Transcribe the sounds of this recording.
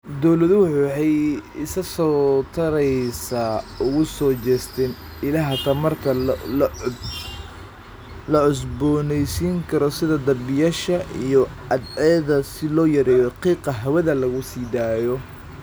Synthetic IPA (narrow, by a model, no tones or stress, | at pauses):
d̪ɔwlɐðʊwʊħuːħɑjɪsɐsɔːt̪ʰɐɾɛjsaːʊɣʊsɔːt͡ʃɛːst̪ʰɛn | ɪlɐɦɐt̪ʰɐmɐrt̪ʰɐl | lɐʕʊs̬bɔːnɛjsiːŋkʰɐɾɔsɪðɐd̪ɐbɪjaːʃɐʔḭjɔʔɐd̪ʕɛːðɐsɪlɔːjɐɾɛːjɔqiːqɐɦɐwɛðɐlɐɣʊsiːd̪aːjɔ